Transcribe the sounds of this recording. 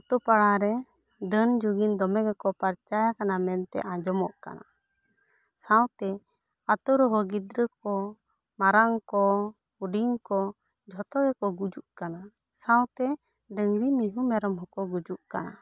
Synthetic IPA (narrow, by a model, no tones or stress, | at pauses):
at̪ɔpaɽaɾɛ | ɖənd͡ʒuɡind̪ɔmɛɡɛkɔpaɾt͡ʃajakanamɛnt̪ɛ̰ʔãd͡ʒɔmɔʔka̰na̰ | sãwt̪ɛ | at̪ɔɾɔɦɔɡid̪ɾəkɔ | maɾaŋkɔ | uɖiŋkɔ | d͡ʒʱɔt̪ɔɡɛkɔɡud͡ʒuʔkana | sãwt̪ɛ | ɖəŋɽimiɦumɛɾɔmɦɔkɔɡud͡ʒuʔka̰na̰